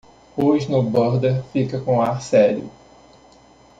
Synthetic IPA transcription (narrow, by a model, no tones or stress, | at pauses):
oʒnʊbɐɾd̪eɾfikɐkõaɾsɛɾjʊ̰